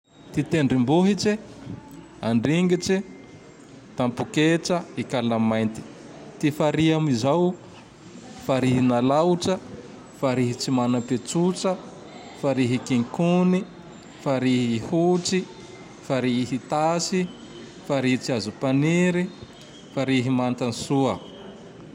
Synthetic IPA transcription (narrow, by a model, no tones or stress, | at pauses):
t̪it̪eɳɖ͡ʐimbuɦit͡ʃi | aɳɖ͡ʐiŋɡit͡si | t̪ampukeʈ͡ʂəikalamːajnt̪i̥ | t̪ifaɾiamizaw | faɾiɦinalawʈ͡ʂə | faɾiɦit͡simanəpet͡sut͡sə | faɾiɦikiŋkuni | faɾiɦhut͡si | faɾiiɦit̪asi | faɾiɦit͡siazupaneɾi | faɾiɦimant̪anisuə